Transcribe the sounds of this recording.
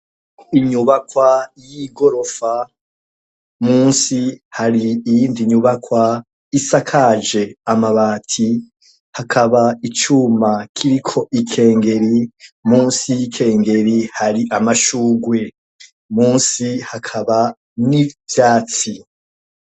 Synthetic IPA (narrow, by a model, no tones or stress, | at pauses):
iɲuβakwajiɡo̞ɾo̞fa | muːnsihaɾiːjiːndiɲuβakwa | isakʰad͡ʒe̞amaβaːtʰi | hakʰaβait͡ʃumakʰiɾikʰo̞ʔikʰe̞ːŋɡe̞ɾimuːnsiikʰe̞ːŋɡe̞ɾihaɾiʔamaʃuːɡwe̞ | muːnsihakʰaβa | nivjaːt͡si